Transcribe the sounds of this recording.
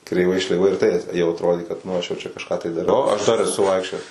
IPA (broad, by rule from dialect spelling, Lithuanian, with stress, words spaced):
krʲɛɪˈʋɐɪ ʃʲlʲɛɪˈʋɐɪ ɪr ˈtɐɪ jɛʊ ɐtroːdʲeː kɐt nʊ ˈɐʃ jɛʊ ˈt͡ʃʲɛ kɐʃˈkɑː tɐɪ dɐˈrɐʊ ɐʃ dɐr ɛˈsʊ ˈʋɐɪkʃʲt͡ʃʲoːjɛs